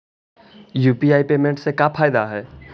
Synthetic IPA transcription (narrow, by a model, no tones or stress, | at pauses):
juːpiaːipeːmẽɳʈsekapʰaːjd̪aɦɛː